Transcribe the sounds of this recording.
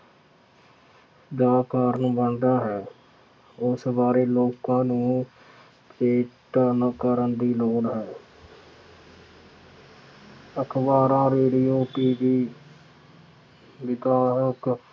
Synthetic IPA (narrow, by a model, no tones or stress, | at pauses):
d͡ʒaːkaːɾənbəɳɖ̪aːɦɛː | ʊsbaːɾeːloːkãːnũː | eːʈnəkəɾənd̪iːloːɽɦɛː | əkʰbaːɾãːɾeːɖijoːpiːbiː | ʋɪd̪aːɦək